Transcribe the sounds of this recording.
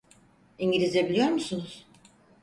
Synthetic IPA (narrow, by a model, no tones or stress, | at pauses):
iɲɟilʲizebilʲijo̞ɾmusunuz̥